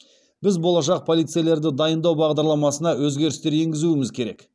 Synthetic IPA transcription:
b̥ɪzbo̞lˠɑʃ̬ɑq̚pʰo̞lˠijt̪sɨjele̞ɾd̪ɪd̪ɑjənd̪ɑwbɑʁd̪ɑɾlˠɑmɑsənɑwɵzɡʲe̞ɾɪst̪e̞ɾe̞ŋɡʲɪzuɪmɪzkʲʰe̞ɾe̞̰k

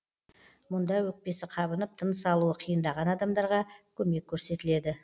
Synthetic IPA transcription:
mʊnd̪ɑjwɵk̚pe̞sɪqʰɑbənəp̚t̪ʰənəsɑlˠuəqʰijənd̪ɑʁɑnɑd̪ɑmd̪ɑɾʁɑkʲʰɵme̞kʲʰːɵɾse̞t̪ɪle̞d̪ɪ

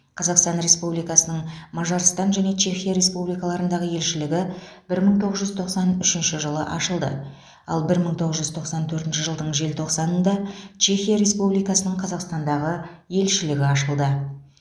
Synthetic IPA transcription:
qʰɑzɑqst̪ɑnɾe̞spublijkɑsənəɴmɑʒɑɾst̪ɑnʒæne̞t͡ʃʰe̞xʲijaɾe̞spublijkɑlˠɑɾənd̪ɑʁəje̞lʃɪlɪɡʲɪb̥ɪɾməɴt̪ʰo̞ʁəzʒʏzt̪ʰo̞qsɑnʏʃɪnʃɪʒəlˠə̰ʔɑʃəlˠd̪ə̰ | ɑ̰lˠbɪɾməɴt̪ʰo̞ʁəzʒʏz̥t̪ʰo̞qsɑnt̪ʰɵɾt̪ɪnʃɪʒəlˠd̪əɴʒe̞lt̪ʰo̞qsɑnənd̪ɑt͡ʃʰe̞xijaɾe̞spublijkɑsənəɴqʰɑzɑqst̪ɑnd̪ɑʁəje̞lʃɪlɪɡʲɪɑʃəlˠd̪ə

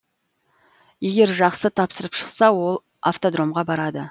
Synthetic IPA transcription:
je̞ɡʲe̞ɾʒɑqsət̪ʰɑpsəɾəpʃə̥qsɑwo̞lˠ | aft̪od̪ɾo̞mʁɑbɑɾɑd̪ə

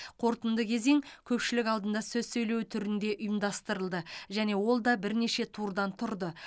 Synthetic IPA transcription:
qʰo̞ɾt̪ənd̪əkʲʰe̞ze̞ŋkʲʰɵpʃɪlɪkɑlˠd̪ənd̪ɑsɵzsɵjle̞wt̪ʰʏɾɪnd̪e̞ʔʊjəmd̪ɑst̪əɾəlˠd̪əʒæne̞wo̞lˠd̪ɑbɪɾne̞ʃe̞t̪ʰuɾd̪ɑnt̪ʰʊɾd̪ə

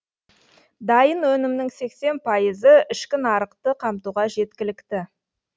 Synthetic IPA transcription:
d̪ɑjənwɵnɪmnɪŋse̞kse̞npʰɑjəzəɪʃkʲɪnɑɾəqt̪əqʰɑmt̪uʁɑʒe̞t̪kʲɪlɪkt̪ɪ

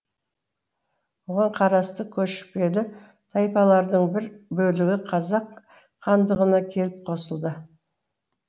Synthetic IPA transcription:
boʁɑɴqʰɑɾɑst̪əkʲʰɵʃɪ̥pe̞d̪ɪ | t̪ʰɑjpɑlˠɑɾd̪əɴbɪɾbɵlɪɡʲɪqʰɑzɑqːʰ | ɑnd̪əʁənɑkʲʰe̞lɪp̚qʰo̞səlˠd̪ə

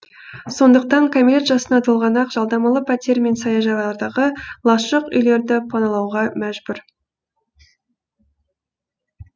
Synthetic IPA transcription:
so̞nd̪əq̚t̪ɑŋkʰamile̞t̪ʒɑsənɑt̪ʰolˠʁɑnɑqʒ̥ɑlˠd̪ɑmɑlˠəpʰæt̪e̞ɾme̞nsɑjɑʒɑɑlˠɑɾd̪ɑʁəlˠɑʃəqʏ̰jle̞ɾd̪ɪpʰɑnɑlˠɑwʁɑmæʒbʏɾ

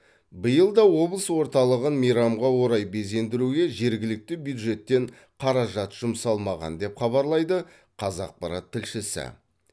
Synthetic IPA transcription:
bəjəlˠd̪ɑwo̞blˠəswo̞ɾt̪ɑlˠəʁənmijɾɑmʁɑwo̞ɾɑjbe̞ze̞nd̪ɪɾuɡʲe̞ʒe̞ɾɡʲɪlɪk̚t̪ɪbjud̪ʒe̞t̪ːe̞ɴ | qʰɑɾɑʒɑt̪ʒ̥ʊmsɑlˠmɑʁɑ̰nd̪e̞pχɑβɑɾlˠɑjd̪ə | qʰɑzɑq̚pɑɾɑt̪ʰːɪlʃɪsɪ̰

